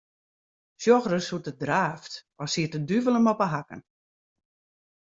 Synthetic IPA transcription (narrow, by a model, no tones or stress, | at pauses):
sjɔxrəsutət̚draːft | ɔsiətədyvələmɔpəɦakə̰n